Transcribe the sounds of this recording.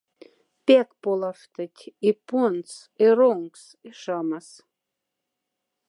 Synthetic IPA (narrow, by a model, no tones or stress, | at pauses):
pʲekpolˠaʂt̪ət̪ʲipuns | eroŋks | iʃɑmas